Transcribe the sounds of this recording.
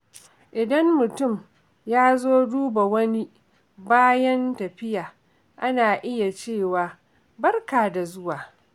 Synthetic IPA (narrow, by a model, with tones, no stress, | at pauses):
ʔɪ˨dɐ˦mːʊ˨tʊ˦˨m | jaː˦zoː˦duː˦ba˨wɐ˦ni˦ | baː˦jɐ˦ntɐ˨ɸɪ˦jaː˨ | ʔa˦naː˨ʔɪ˦ja˨t͡ʃeː˦˨waː˨ | bɐ˦rkaː˨da˨zʊ˦waː˨